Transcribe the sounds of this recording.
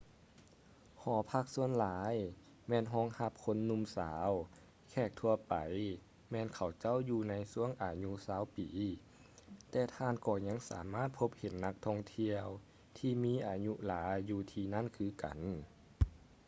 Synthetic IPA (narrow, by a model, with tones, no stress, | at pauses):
hɔː˨˦pʰa˧˩k̚su˧˥ənlaː˨˦j | mɛː˧˥˨nɦɔː˧˥˨ŋha˧˩p̚kʰo˧˥nːu˧˥˨msaː˨˦w | kʰɛː˧˩k̚t̪ʰu˧ɐpa̰˨j | mɛː˧˨nkʰa˨˩wt͡ɕa˥˨wjuː˧na˧˥jsu˧˥˨əŋʔaː˨ɲu˧˥saː˨˧˥wpiː˨˦ | t̪ɛː˧t̪ʰaː˧˨nkɔː˧˩ɲa˧˥˨ŋsa̰ː˨˩˦maː˥˩t̪̚pʰo˧˥p̚he˨˦nːa˧k̚t̪ʰɔ˧˩ŋt̪ʰi˧əw | t̪ʰiː˧miː˧˥˨ʔaː˨˩ɲu˧laː˨˦jːuː˧t̪ʰiː˧na˥˨nkʰɯː˧˩ka̰˨˩˦n